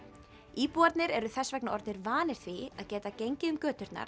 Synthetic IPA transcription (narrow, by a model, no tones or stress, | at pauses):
iːpuaɾt̪nɪɾɛɾʏθɛsvɛknaɔɾt̪nɪɾvaːnɪɾ̥θviaðcɛːt̪acejɲcɪʏmkœːt̪ʏɾ̥t̪na̰ɾ̥